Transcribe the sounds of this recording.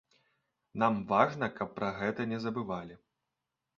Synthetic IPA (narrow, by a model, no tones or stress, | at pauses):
namvaʐnɐkɐpːɾɐɣɛt̪ɐnʲɛzɐbɨvalʲi